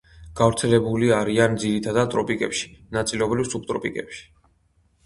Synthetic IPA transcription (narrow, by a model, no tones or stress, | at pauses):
ɡ̥avɾt̪sʰɛlɛbuliaɾiand̪ziɾit̪ʰad̪ad̪̚t̪ʼɾɔpʼikʼɛpʃi̥nat̪sʼilɛɔbɾifsuk̚t̪ʼɾɔpʼikʼɛpʃi̥